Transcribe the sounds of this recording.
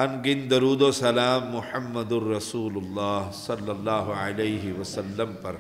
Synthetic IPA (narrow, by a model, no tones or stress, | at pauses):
ɐnɡɪnd̪ɐɾuːd̪oːsɐlaːmːʊħɐmːɐd̪ʊɾːɐsuːlʊlːɑːɦsɐlːɐlːaːɦʊʕalɐjɦɪʋɐsɐlːɐmpɐɾ